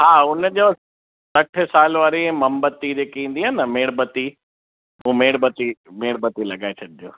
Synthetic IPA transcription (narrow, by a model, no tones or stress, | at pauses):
ɦaːʊnd͡ʑoː | sɐʈʰəsaːlʋaːɾẽmɐmbət̪ːid͡ʑeːkeĩːn̆d̪iɦənəmeːɽbət̪i | ũːmeːɽbət̪imeːɽbət̪ilɐɠaːesʰɐɗɪd͡ʑo̰ː